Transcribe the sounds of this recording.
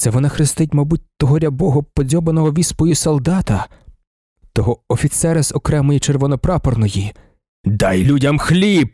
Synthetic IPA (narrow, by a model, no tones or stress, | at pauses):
t̪sɛʋɔnɑxɾɪst̪ɪtʲmɐbut̚ʲt̪ɔɦɔɾʲɐbɔɦɔpɔd͡zʲɔbenɔɦɔʋʲispɔjisɔlˠd̪ɑt̪ɐ | t̪ɔɦɔɔfʲit̪sɛɾɐzɔkɾɛmɔjit͡ʃerʋɔnɔpɾɑpɔrnɔji | d̪ɑjlʲudʲɐmxlʲip̚